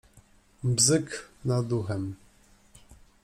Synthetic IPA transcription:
vzɘknad̪uxɛm

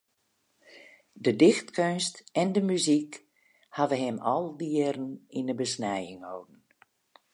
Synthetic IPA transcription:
dədɪxtkønstɛndəmyzik | havəɦɪmɔlˠdiəɾən̩inəbəsnɛjɪŋhowdn̩

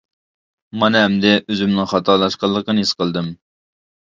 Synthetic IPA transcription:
mɑnɨɦɛmd̪ɛʔøzymnɪŋχɑt̪ʰɑlˠɑʃqɑlˠːəqənjisqəlˠd̪ɨm

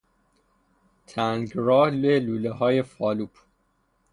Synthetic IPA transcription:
t̪ʰæŋɡɾɒːhleluːleɦɒːjefɒːluːpʰ

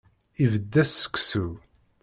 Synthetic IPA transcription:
ivəd̪ːæsːə̥kʷːsu

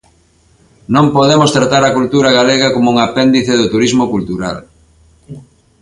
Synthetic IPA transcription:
nõmpoðemost̪ɾat̪aɾɐkult̪uɾaɣaleɣɐkomouŋapend̪iθeðʊt̪uɾizmokult̪uɾa̰l

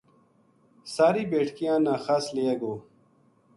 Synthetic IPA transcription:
saːɾiːbeːʈʰkijãːnãːxaːsleːɐɡoː

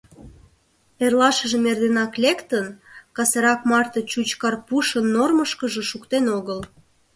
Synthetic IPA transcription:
erlɑʃəʒemerd̪enɑklekt̪ənkɑseɾɑkmɑrt̪ət͡ɕut͡ɕkɑrpuʃənːorməʃkəʒĕʃukt̪enoɣəl

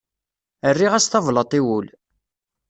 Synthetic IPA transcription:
ərːiʁæsθɑvlət̪ˤiwul

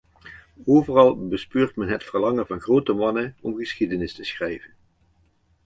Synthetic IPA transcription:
oːvərɑlˠbəspøːɹtmɛnɦətfəɹlɑŋəvɑnχrowtəmɑnəɔmχəsχidənɪstəsχrɛjvən

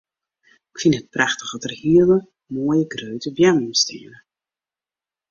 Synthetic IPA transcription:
ɪkfinɦət̚praxtə̥χɔtərhiəlˠə | moːjəɡrøɥtəbjaməmstʰɪənə

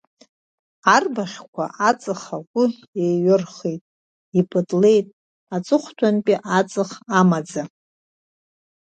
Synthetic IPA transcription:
arbaχʲkʷʰa̰ʔat͡sʼɨχaɡʷʼʊ | ejɥɪrχejtʼ | ipʰɨdle̞jtʼ | at͡sʼɨχʷtʷʰʼanpʼiʔat͡sʼɨχamad͡za

